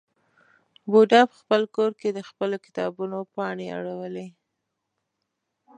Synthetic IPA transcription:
boɖɑpə̥xpəlkoɾked̪əxpəlokɪ̥t̪ɑbunopɑɳea̰ɽawəle

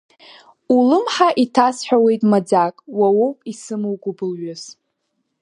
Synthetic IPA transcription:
ulɨmħaʔitʰasħʷᶣawe̞jtʼmad͡zakʼwawowpʼisɨmɨwɡʷʼʊbɨlɥʊz̥

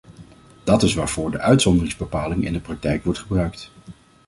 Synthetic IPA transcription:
d̥ɑtɪsʋaːɹv̥ʊːɹdəʔœɥtsɔndərɪŋzbəpaːlɪŋɪ̰ndəprɑk̚tɛjkʋɔɹtχəbrœɥkt

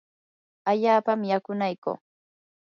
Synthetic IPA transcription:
aʎaːpamjakʊnajko̰ː

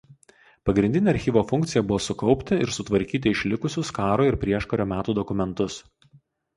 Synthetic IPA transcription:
pɐɡɾʲɪnd̪ʲɪnʲeːɐɾʲxʲiːʋoːfʊŋʲkt̪sʲɪjɛbʊʋoːsʊkɒʊpʲt̪ʲɪɪ̰ɾsʊt̪ʋɐɾʲkʲiːt̪ʲɪɪʃʲlʲɪkʊsʲʊskɑːɾoːɪɾpʲɾʲiɛʃkoɾʲoːmʲæːt̪uːd̪ɔkʊmʲɛnt̪ʊs

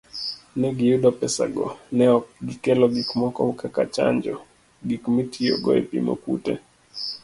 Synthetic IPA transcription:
nɛɡijudɔpɛsa̰ɡɔ̰nɛɔɡikɛlɔɡikmɔkɔ̰hukakat͡ʃa̰ɲd͡ʒɔ | ɡikmitʰiɔ̰ɡɔɛ̰pḭmo̰kṵtɛ̰

